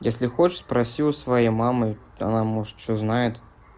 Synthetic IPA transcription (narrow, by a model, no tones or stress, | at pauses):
jesʲlʲɪxot͡ɕɪʂspɾɐsʲiʊsvɐjejmamɨ | ɐ̰namoʐɨt̪̚t͡ɕoznajɪt̪